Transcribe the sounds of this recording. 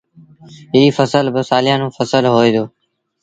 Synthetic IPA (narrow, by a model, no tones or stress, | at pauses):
ɦiːfəsəlbəsaːlɪjãːnũːfəsəlɦoːiːd̪oː